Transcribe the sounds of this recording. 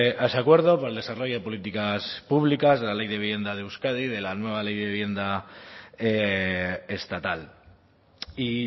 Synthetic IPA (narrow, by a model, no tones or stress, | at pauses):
ʔesakwe̞ɾðo̞poɾeld̪e̞saro̞ʝoe̞po̞lit̪ikaspuβlikazðelale̞jðe̞βiβje̞nd̪aðeuskað̞ið̞e̞lanwe̞β̞alejðeiβje̞nd̪a | e | est̪at̪al | i